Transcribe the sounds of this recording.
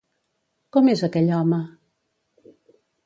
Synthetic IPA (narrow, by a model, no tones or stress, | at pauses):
kɔmezəkɛʎɔmə